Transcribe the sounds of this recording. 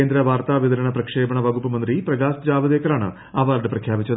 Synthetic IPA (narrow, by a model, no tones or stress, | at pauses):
eːnd̪ɾɐʋaːɾt̪aːʋid̪ɐɾɐɳɐpɾɐkʂeːbɐɳɐʋɐɡupːɐmɐnd̪ɾipɾɐɡaːsd͡ʑaːʋɐd̪eːkɐɾaːɳɨ̰ | ɐʋaːɾɖɨpɾɐkʰjaːpit͡ɕːɐd̪